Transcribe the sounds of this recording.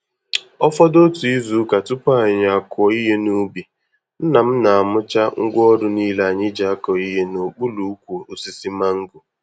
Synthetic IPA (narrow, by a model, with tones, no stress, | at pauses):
ɔ˦fɔ˦do˦tu˨i˦zu˨˦ka˨tu˦pa˨ɲ˨a˨kʊ˨ɔ˨i˦ɦe˦nu˦bi˨ | n̩˦na˨m̩˦na˨a˨mʊ˦t͡ʃa˦ŋ̩˦ɡʷɔ˦ɾʊ˦ni˦la˨ɲɪ˦d͡ʒa˨˦kɔ˨i˦ɦe˦no˨k͡pu˦lu˨˦kʷu˨ʊ˨si˦si˦ma˦ŋ̩˦ɡu˨